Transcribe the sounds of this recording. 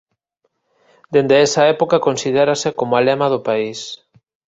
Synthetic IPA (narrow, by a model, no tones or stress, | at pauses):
d̪end̪eɛsɐɛpokakonsiðeɾasekomʊalemað̞opais